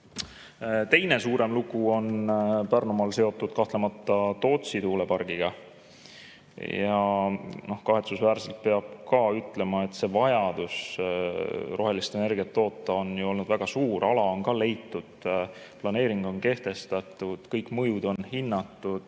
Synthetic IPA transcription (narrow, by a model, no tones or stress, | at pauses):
t̪e̞jne̞suːɾe̞mluɡ̥uo̞npærnumɑlse̞o̞t̪ːˑud̪̥̚kɑht̪le̞mɑt̪ˑːɑt̪o̞ːt̪sit̪uːle̞pɑrɡ̥iɡ̥ɑ | jɑno̞hkɑɦe̞t̪susvæːɾselt̪̚pe̞ɑb̥̚kɑyt̪ːˑle̞mɑe̞t̪se̞vɑjɑd̪̥us | ro̞ɦe̞list̪ene̞rɡ̥iɑt̪ːo̞ːt̪ːˑɑo̞njuo̞lnud̪væɡ̥ɑsuːɾɑlɑo̞nkɑle̞jt̪ːˑud̪̥ | plɑne̞ːɾiŋɡ̥o̞nke̞ht̪e̞st̪ɑt̪ˑːud̪̥kɤjkːˑmɤjud̪̥o̞nhinːɑt̪ːˑud̪̥